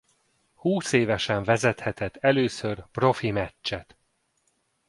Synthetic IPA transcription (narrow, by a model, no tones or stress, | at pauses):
huːseːvɛʃɛɱvɛzɛt̪hɛt̪ɛt̪ːɛløːsørpro̞fimɛt͡ʃt͡ʃːɛt̪